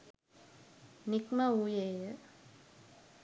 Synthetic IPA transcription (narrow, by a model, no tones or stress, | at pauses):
nikmauːjeːjə